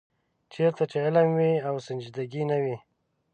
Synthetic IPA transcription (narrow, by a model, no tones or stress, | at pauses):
t͡ʃeɾt̪at͡ʃeɪlamwiawsɪnd͡ʒid̪aɡinawi